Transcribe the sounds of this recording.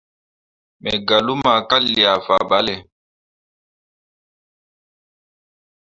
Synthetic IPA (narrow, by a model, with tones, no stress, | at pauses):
mɛ̰˨ɡa˨lu˦ma˨ka˦lːi˨a˨fa˨ɓa˨˦lɛ˨